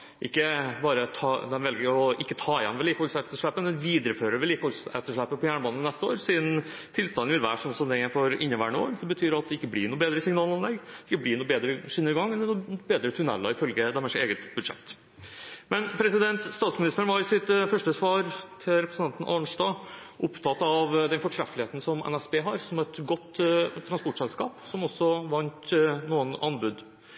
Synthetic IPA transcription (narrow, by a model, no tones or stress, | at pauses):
ʔɪkːəbɑːɾət̪ʰɑːd̪ɛnʋɛlɡəɾɔʔɪkːət̪ʰɑːjɛ̰nːʋɛliːkəhɔlsɛt̪ːəʂɭæpːəmɛnʋiːd̪əɾəføːɾəʋɛliːkəɔlsɛ̰t̪ːəʂɭæpːəpʰɔjæːɳəbɑːnːənɛst̪əo̰ːɾsiːd̪n̩ | t̪ʰɪlst̪ɑnʋɪlʋæ̰ːʂɔmsɔmd̪ɛjæɪfoːɾɪ̰nːəʋæːɳo̰ːd̪ɛbət̪ʰyːɾɑt̪̚d̪ɛɪkːəblɪːɳuːbeːd̪ɾəsɪŋnɑːlɑnlɛɡːd̪ɪkːəblɪːɳuːbeːd̪ɾəʂɪnːəɾɪɡɑŋːɛnnuːbeːd̪ɾət̪ʰʉɳɛ̰lːɑɪfœlɡəd̪ɛmɛʂɪt̪eːɡət̪bʉd̪ʂɛ̰t̪ː | mɛnpʰɾɛsɪd̪ɛnt̪st̪ɑːt̪smɪnɪst̪ɾənʋɑɾɪsɪt̪fœʂʈəsʋɑːɾt̪ʰɪlɾɛpɾəsn̩ɑnn̩ʔɑɳʂɖɑː | ʔʊpt̪ʰɑt̪ːɑʋd̪ɛnfɔʈʰɾɛfːəlɪheːt̪n̩sɔmɛ̰næsbeːɦɑɾsɔmɛt̪ɡɔt̪ːt̪ʰːɾɑnspɔʈʂsɛlskɑ̰ːpsɔmɔsːɔʋɑnt̪nuːənɑnbʉd̪